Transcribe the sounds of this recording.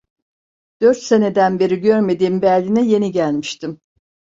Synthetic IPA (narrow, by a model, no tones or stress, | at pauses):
d̪̥øɾt̪se̞ne̞d̪ænbeɾiɟø̞ɾme̞d̪iːmbælʲːinɛje̞niɟælʲmiʃt̪ʰim